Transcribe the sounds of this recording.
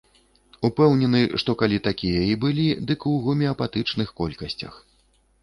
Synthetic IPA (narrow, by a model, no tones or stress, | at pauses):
upɛwnʲɛnɨʂt̪ɔkalʲit̪akʲijɐibɨlʲid̪ɨkuɣumʲɛɐpat̪ɨt͡ʂnɨxkɔlʲkɐsʲt͡sʲɐ̰x